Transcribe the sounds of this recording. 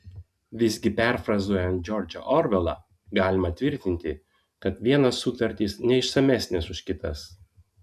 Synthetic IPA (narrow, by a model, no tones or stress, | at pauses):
ʋʲɪzʲɡʲɪpʲɛɾfɾɐzuɔjɛnt̪̚d͡ʒʲɔɾʲd͡ʒʲɛ̰ʔɔɾʋʲɛlˠɑ̰ˑ | ɡɑːlʲɪmɐt̪ʲʋʲɪɾʲt̪ʲɪnʲt̪ʲɪ | kɐt̪ʋʲiɛnɐsːʊt̪ɐɾʲt̪ʲiːsnʲɛɪʃsɐmʲæsʲnʲɛsʊʃʲkʲɪt̪ɐs